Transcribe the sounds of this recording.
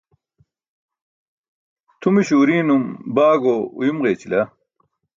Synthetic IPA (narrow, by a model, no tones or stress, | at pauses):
t̪ʰumiɕuːɾiːnumbaːɡoːṵjumʁeːt͡ɕilɐ